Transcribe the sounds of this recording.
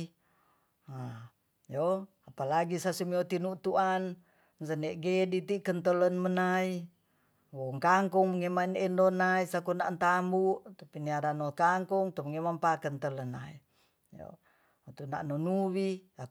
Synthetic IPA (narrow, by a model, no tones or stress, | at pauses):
a | jo | apalaɡisasumiot̪inut̪uan | nsənɛʔɡedit̪ikənt̪ələnmənai | woŋkaŋkuŋməŋemainɛndonaisakuna̰nt̪ambuʔt̪apiniaɾanokaŋkuŋt̪umŋemampakənt̪ələnai | jo̰ | ut̪una̰ʔnonuwia